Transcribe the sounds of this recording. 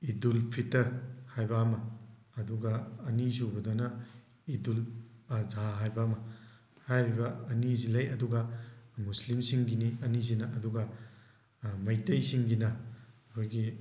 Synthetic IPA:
idulpʰitɐɾhajbɐɐmɐː | duɡɐːnisubɐdonɐ | idulazaɦajbɐɐmɐ | hajbibɐɐnizilɐjɐduɡɐmuslimsiŋɡiniɐnizinɐʔɐduɡɐ | mɐjtɐjsiŋɡinɐɐkʰojɡi

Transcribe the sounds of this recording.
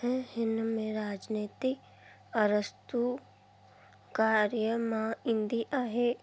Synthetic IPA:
ɦɛ̃ɦɪnmẽɾaːd͡ʒneːt̪ɪk | əɾəst̪u | kaːɾjəmãɪ̃nd̪iʔaːɦe

